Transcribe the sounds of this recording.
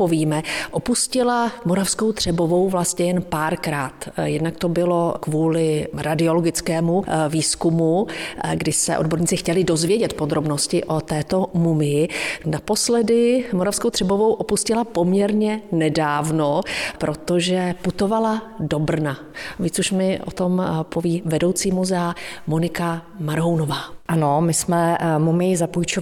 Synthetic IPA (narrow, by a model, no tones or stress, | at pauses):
poviːmɛʔopuscɪlamoɾafsko̞wt̪r̝̥ɛbo̞vo̞wvlast̪ɲɛjɛnpaːɾkɾaːt̪jɛdnakt̪o̞bɪlo̞kvuːlɪɾadɪoloɡɪt͡skɛːmuviːskumuɡdɪsɛ̰ʔodbo̞ɾɲiːt͡sɪxcɛlɪdo̞zvjɛɟɛt̪po̞d̪ɾo̞bnoscɪʔo̞t̪ɛːt̪o̞mumɪjɪnapo̞slɛdɪmoɾafskowt̪r̥ɛbo̞vo̞wʔopuscɪlapo̞mɲɛɾɲɛnɛdaːvno̞pɾʔo̞t̪o̞ʒɛput̪o̞valado̞br̩na | viːt͡suʃmɪʔo̰t̪ompoviːvɛdo̞wt͡siːmuzɛamonɪkamaɾɦownovaːʔanomɪsmɛmumɪjɪzapujt͡ʃo